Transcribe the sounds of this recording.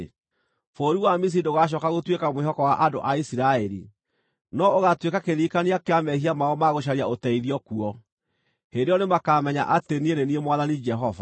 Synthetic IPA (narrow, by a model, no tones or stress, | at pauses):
foːɾiwamis̬iidoɣaʃ̬ɔkaɣotwekamweɦhɔkɔwaʔado̰ʔaisiɾaɛɾḭ | nɔoɣatwekakeɾiːkaniakeamɛhiamaɔmaɣoʃ̬aɾiaotɛiðiɔkuɔ | hendeɔnemakaːmɛɲa̰ʔatenieɾeniemwaðanid͡ʒɛɦɔva̰